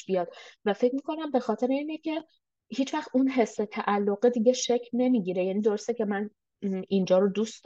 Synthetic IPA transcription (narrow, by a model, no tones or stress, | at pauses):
bijɒd̪væfe̞cmiːkʰo̞næmbe̞xɒːt̪ʰe̞ɾeiːnecʰe̞ | hiːt͡ʃvæxt̪ʔunɦe̞sːet̪ʰæʔælːoɣed̪iɟe̞ʃecʰne̞miːɟiːɾejæniːd̪oɾo̞st̪ecʰe̞mæn | ind͡ʒɒːɾod̪uːst̪